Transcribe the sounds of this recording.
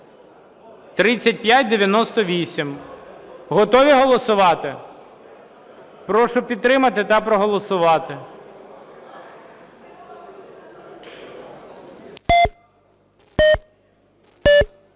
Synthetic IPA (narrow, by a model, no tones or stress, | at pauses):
t̪ɾɪt͡sʲːɐt̚ʲpjatʲd̪eʋʲjɐnɔst̪ɔʋʲisʲim | ɦɔt̪ɔʋʲiɦɔlˠɔsʊʋɑt̪ɪ | pɾɔʃʊpʲid̪t̪ːɾɪmɐt̪ɪt̪ɐpɾɔɦɔlˠɔsʊʋɑt̪ɪ